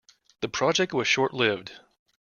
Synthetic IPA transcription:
ðɨpʰɹ̥ɑd͡ʒɛk̚t̚wʌz̥ʃɔɹʔˡlɪvd̥

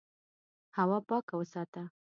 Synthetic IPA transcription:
hawɑpɑkawəsɑt̪a

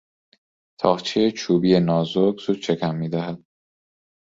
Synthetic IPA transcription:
t̪ʰɒːʁt͡ʃʰejet͡ʃʰuːbiːjenɒːzoɡz̥uːd̪̥̚t͡ʃʰe̞kʰæmːiːd̪æɦæd̪̥̚

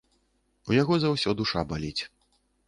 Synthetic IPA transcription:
ujaɣɔzawsʲɔd̪uʂabalʲit͡sʲ

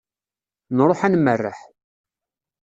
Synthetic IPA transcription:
nɾˤoħænmərːə̰ħ

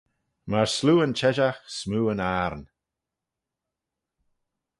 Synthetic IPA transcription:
maɹsluːənt͡ʃʰɛʒaxsmuːənaːɹn

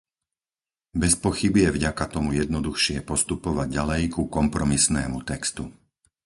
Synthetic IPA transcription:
bɛspɔxibijɛvɟakat̪ɔmujɛd̪nɔd̪uxʃɪɛpɔst̪upɔʋaɟ̚ːalɛjkukɔmpɾɔmisnɛ̰ːmut̪ɛkst̪u

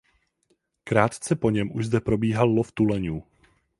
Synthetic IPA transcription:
kɾaːt̪t͡sɛpo̞ɲɛmʔuʒzd̪ɛpɾo̞biːɦalloft̪ulɛɲuː

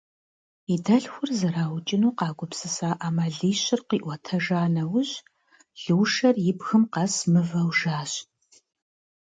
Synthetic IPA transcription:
idɐɬxʷʊrzɨraːwt͡ʃʼɪnuːqɑːɡʷʊpsɨsaːʔamɐɮiːɕɪrqiːʔʷɔtʰɐʒaːnɐwʊɕ | ɮ̥ɨwʂɐrjɪbxɨmqɐsmɨvɐwʒaːɕ

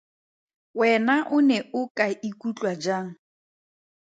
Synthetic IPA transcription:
wɛnaʔʊnɛʊkʼaikʼut͡ɬʼwad͡ʒaːŋ̩

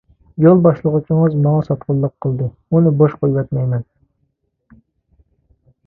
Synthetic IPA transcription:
jolˠbɑʃlˠəʁət͡ʃʰɪŋəzmɑŋɑsɑt̪qʊlˠːəqʰːəlˠd̪ɨ | unɨboʃqojwɑt̪mɛjmɛn

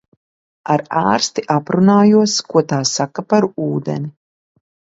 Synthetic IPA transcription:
aɾaːɾst̪iʔapɾunaːjuɔskuɔt̪aːsakapaɾuːd̪ɛ̰ni

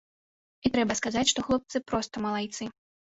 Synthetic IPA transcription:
it̪ɾɛbɐskazat͡sʲʂt̪ɔxlˠɔp̚t̪sɨpɾɔst̪ɐmɐlˠajt̪sɨ

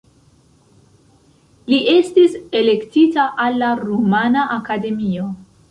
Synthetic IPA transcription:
liʔe̞stise̞le̞ktitaʔalːaɾumanaʔakade̞mio̞

